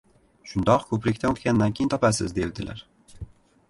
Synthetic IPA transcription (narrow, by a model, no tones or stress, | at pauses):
ʃʊnd̪ɒqkʰɵpɾɪkʲt̪anot̪kʲanːankʲejnt̪ʰɒpasɪ̰zd̪ewd̪ɪla̰ɾ